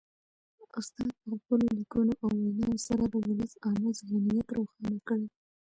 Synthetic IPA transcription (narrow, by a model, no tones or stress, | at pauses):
ʊst̪ɑd̪̚pəxpəlolikunoʔawːanɑjosaɾad̪əwʊləsɑmezɣanijat̪ɾoxɑnakəɽe